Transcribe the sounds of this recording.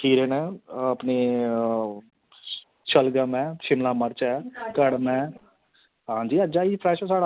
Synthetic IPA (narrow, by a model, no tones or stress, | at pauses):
kiːɾeːnɛ̃ːəpneː | t͡ʃəlɡaːmɛ̃ːʃɪmlãːməɾt͡ʃɛːkəɽmɛ̃ː | ɦãːɲd͡ʒiːəd͡ʒaːipʰɾɛːʃɛsaːɽa